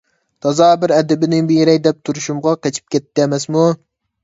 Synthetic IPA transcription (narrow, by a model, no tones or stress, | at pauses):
t̪ʰɑzɑːbɪɾɛd̪ɪbɪnɪŋbeɾɛk̚ʲd̪ɛp̚t̪ʰuɾuʃumʁɑqɛt͡ʃʰi̥p̚kʲɛt̪ːɪɛmɛsmu